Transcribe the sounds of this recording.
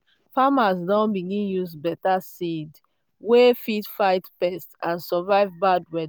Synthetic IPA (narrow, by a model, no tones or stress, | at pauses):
famasdɔ̃nbiɡĩnjuzbɛtasid | wefitfaɪtpɛstãnsɔvaɪvbad̚wɛd